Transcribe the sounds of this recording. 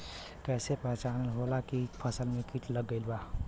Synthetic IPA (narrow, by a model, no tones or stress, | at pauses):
kɛːsepɛɦt͡ʃaːnəlɦolakipʰəsəlmekiʈləɡːəɪlba